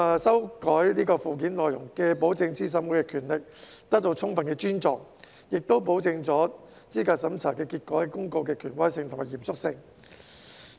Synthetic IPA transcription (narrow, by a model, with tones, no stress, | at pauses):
sɐ˥wkɔː˨˥jniː˥kɔː˧fuː˨˩k̬iː˨˥nlɔː˨jʊ˨˩ŋkɛː˧po˨˥wt͡sɪ˧ŋt͡siː˥s̬ɐ˨˥mwuː˨˩jkɛ˧kʰyː˨˩nlɪ˨k̚ | t̪ɐ˥k̚t̪o˧wt͡sʰʊ˥ŋfɐ˨˧nkɛː˧t͡ʃyː˥nt͡sɔː˧˩ŋ | jɪ˨k̚t̪o˥wp̬o˨˥wt͡sɪ˧ŋt͡sɔː˨˥ | t͡siː˥kaː˧t̚sɐ˨˥mt͡sʰaː˨˩kɛː˧kiː˧t̚kɔː˨˥˨kʊ˥ŋko˧wkɛː˧kʰyː˨˩nwɐ˥jsɪ˧ŋt̪ʰʊ˨˩ŋmaː˨˩jiː˨˩msʊ˥k̚sɪ˧ŋ